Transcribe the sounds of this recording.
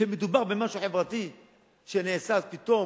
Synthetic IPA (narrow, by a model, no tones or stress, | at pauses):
ʃemed̪ubaʁbemaʃuħevʁat̪i | ʃenesazpit̪o̞